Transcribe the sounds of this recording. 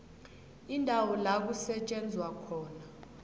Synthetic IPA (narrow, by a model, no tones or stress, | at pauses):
indʱawɔlak̬usɛt͡ʃʼɛnd͡zʱwakʰɔːna